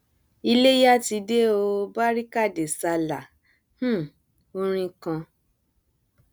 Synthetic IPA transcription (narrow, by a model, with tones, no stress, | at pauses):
i˧le˦ja˦ti˧de˦o˧ba˦ɾi˦ka˦˨de˨sa˧la˨ | h̩˦˨ | o˧˦ɾ̃ĩ˧kã˧